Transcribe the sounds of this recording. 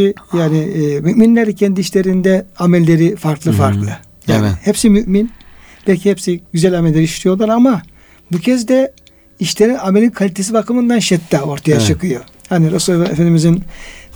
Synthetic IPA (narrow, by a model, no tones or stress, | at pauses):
ijaːniːmyʔminlʲæɾɛcʰɛnd̪iːʃlʲe̞ɾind̪ɛamɛlʲːe̞ɾifaɾklˠɯfaɾklˠɯ | jaːnɪhɛpsimyʔmin | b̥ɛlʲcʰihɛpsiɟyzælʲamɛlʲːeɾiiʃlʲijo̞lˠaɾama | bucʰezd̪ɛ | iʃlʲeɾinamelʲinkʰalʲit̪ʰesibakʰɯmɯnd̪anʃɛt̪ːao̞ɾt̪ʰajat͡ʃʰɯkʰɯjo̞ | haniɾosulˠaefenimizin